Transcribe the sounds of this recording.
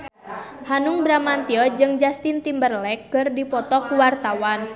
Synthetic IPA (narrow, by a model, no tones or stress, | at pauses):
hanuŋbɾamant̪iɔd͡ʒɨŋd͡ʒast̪int̪imbərlɛk̚ːərdipɔt̪ɔkuwart̪awan